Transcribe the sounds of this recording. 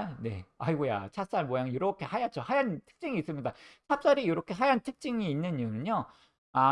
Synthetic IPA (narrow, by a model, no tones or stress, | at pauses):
ne̞̰a̰iɡoja̰t͡ɕʰap̚s͈aɭmwojaŋjoɾʌkʰe̞hajat̚t͡ɕ͈ohajantʰɯ̥k̚t͡ɕ͈iŋiːs͈ɯmɲidat͡ɕʰap̚s͈aɾijoɾʌkʰe̞ɦajantʰɯk̚t͡ɕ͈iŋiːnːɯɲɯnɯɲo | a